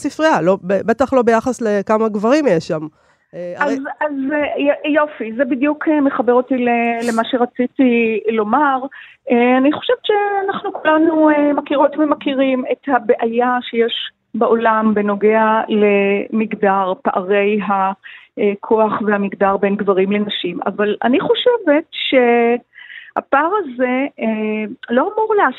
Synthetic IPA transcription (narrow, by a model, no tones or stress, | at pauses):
sifʁialo̞bebet̪aχlo̞bejaχaslekamaɡvaʁimjeʃam | azaz | jo̞fizebid̪jukʰemeχabeʁot̪ilelemaʃeʁat͡sitilo̞maʁ | eaniχoʃevt͡ʃeanaχnukulanuemakiʁot̪vemakiʁime̞thabeʔajaʃejeʃ | baʔo̞lambeno̞ɡeale̞miɡdaʁpaʔaʁe̞jɦa | kʰo̞aχvehamiɡdaʁbe̞nɡvaʁimle̞naʃima̰vala̰niχo̞ʃeve̞tʃe̞ | ha̰paʁaze | loamuʁlea